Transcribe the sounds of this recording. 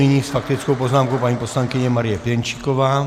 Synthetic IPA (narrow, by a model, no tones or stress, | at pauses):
iɲisfak̚t̪it͡skɔʊpɔznaːmkɔʊpaɲipɔslaŋkiɲɛmaɾɪjɛpjɛnt͡ʃi̥kɔʋaː